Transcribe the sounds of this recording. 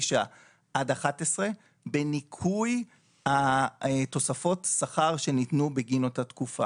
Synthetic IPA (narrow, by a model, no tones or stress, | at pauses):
ʃa | ʔadaχatesʁe̞ | benikʰuj | haeto̞safo̞tsaχaʁʃe̞nitnubeɡinotatkufa̰